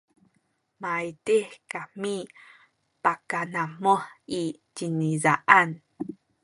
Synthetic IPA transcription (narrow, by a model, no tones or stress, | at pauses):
majdekami | pakanamoi | ɟinizaʔan